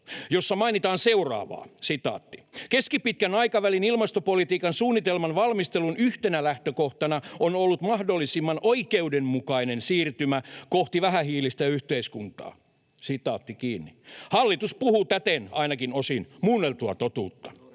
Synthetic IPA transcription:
josːɑmɑinit̪ɑːnseurɑ̰ːʋɑ̰ːsit̪ɑ̰ːt̪ːi̥keskipit̪̚kænɑikɑʋælinilmɑst̪opolit̪iːkɑnsuːnːit̪elmɑnʋɑlmist̪elunʔyht̪enælæht̪økoht̪ɑnɑonolːut̪mɑhdolːisimːɑnʔoikeudemmukɑinensiːrt̪ymækoht̪iʋæhæhiːlist̪æyht̪eiskunt̪ɑ̰ː | sit̪ɑ̰ːt̪ːikiːnːihɑlːit̪uspuhut̪æt̪enɑinɑkinosinmunːelt̪uɑt̪ot̪uːt̪ːɑ̥

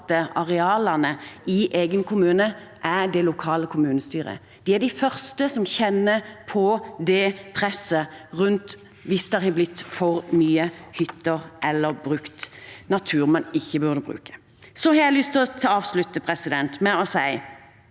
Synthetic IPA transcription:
t̪əɑʁɛɑːlɑnəɪʔeːɡənkʰʊmʉːnəʔæd̪ɛlʊkʰɑːləkʰʊmʉːnəst̪yːʁə̰ | d̪̥iæɖ̪ɪfœʁst̪əsɔmçɛnːəpʰɔd̪ɛpʰʁɛsːəʁʉnt̪ | ʋɪsd̪æʁhɑblɪt̪ːfɔʁmyːəhʏt̪ːəʁʔɛlːəʁbʁʉkt̪nɑt̪ʰʉːʁmɑnɪçːəbʉʁd̪əbʁʉ̰ːkə̥ | sɔhɑɾjæɪlʏst̪ʰɪlɔt̪ʰɑːɑːʋslʉt̪ːəpʰʁɛsɪd̪ɛnt̪mɛɔsæɪ

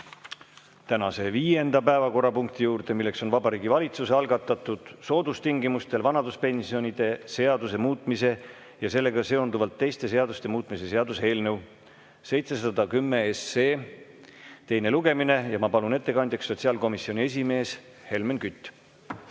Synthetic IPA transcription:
t̪ænɑse̞viːje̞nd̪̥ɑpæevɑko̞ɾɑpuŋk̚t̪ijuːɾd̪̥e̞milːe̞kso̞nvɑbɑɾiːɡivɑlʲit̪suse̞ɑlɡɑt̪ːˑɑt̪ːˑud̪̥so̞ːd̪ust̪iŋɡimust̪e̞lvɑnɑd̪uspe̞nʲsio̞nʲid̪̥e̞se̞ɑd̪use̞muːt̪ˑmise̞ | jɑse̞lːe̞ɡɑse̞o̞nd̪uvɑlt̪ːe̞jst̪e̞se̞ɑd̪ust̪e̞muːt̪ˑmise̞se̞ɑd̪use̞ːlnɤw | se̞jt̪se̞sɑd̪̥ɑkymːe̞eseː | t̪e̞jne̞luɡ̥e̞mine̞jɑmɑpɑlune̞t̪ːe̞kɑnd̪jɑksːo̞t̪ʲsiɑlko̞misːio̞nʲie̞s̬ʲime̞ːs | he̞lmenkyt̪ʲˑː

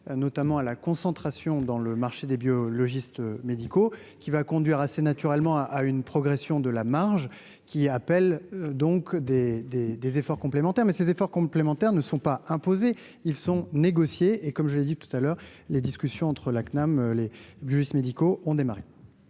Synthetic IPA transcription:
nɔt̪amɑ̃alakɔ̃sɑ̃t̪χasjɔ̃d̪ɑ̃ləmaʁʃed̪ebjɔlɔʒist̪med̪iko | kʲivakɔ̃d̪ɥiʁasenat̪yʁɛlmɑ̃ʔaynpχɔɡʁesjɔ̃d̪əlamaʁʒ | kʲiapɛld̪ɔ̃kd̪ed̪ed̪ezefɔʁkɔ̃plemɑ̃t̪ɛʁmɛsezefɔʁkɔ̃plemɑ̃t̪ɛʁnəsɔ̃paɛ̃poze | ilsɔ̃neɡɔsjeːkɔmʒəled̪it̪u̥t̪alœːʁ | led̪iskʲysjɔ̃ɑ̃t̪χəlaknamlebjɔʒist̪med̪ikoʔɔ̃d̪emaʁe

